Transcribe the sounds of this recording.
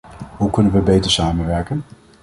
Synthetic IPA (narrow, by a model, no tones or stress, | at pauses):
ɦukɵnənʋəbejtəɹsaːmənʋɛɹkən